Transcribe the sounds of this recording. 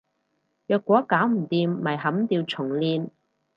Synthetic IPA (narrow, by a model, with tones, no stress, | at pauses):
jœː˧kːʷɔː˨˥kaː˨˥wm̩˨˩t̪iː˧mːɐ˨˩jɦɐ˨˥mt̪iː˧wt͡sʰʊ˨˩ŋliː˧n